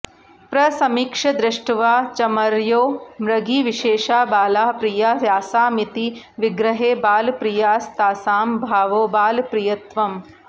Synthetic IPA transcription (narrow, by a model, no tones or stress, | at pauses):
pɾɐsɐmiːkʂɐd̪ɾɐʂʈʋaːt͡ʃɐmɐɾjoːmɾɐɡiːʋiʃeːʃaːbaːlaːpɾijajaːsaːmit̪i | ʋiɡɾɐɦeːbaːlpɾijaːst̪aːsaːmbʱaːʋoːbaːlpɾijɐt̪ʋɐm